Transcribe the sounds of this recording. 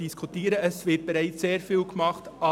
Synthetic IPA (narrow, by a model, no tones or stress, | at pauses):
d̥iskʰutiːɾəɛsvɪt̚b̥eɾaɪt͡sseːɾfiːlɡmɑχtɑ